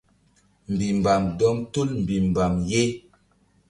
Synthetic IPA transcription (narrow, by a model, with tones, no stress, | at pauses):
m̩˨bi˨m˨ba˨mdɔ˦mtu˦lm̩˨bi˨m˨ba˨mje˦